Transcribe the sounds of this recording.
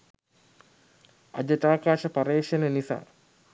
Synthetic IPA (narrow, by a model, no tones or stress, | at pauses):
a̰d͡ʑəʈaːkaːʃəpaɾeːʃenənisa̰ː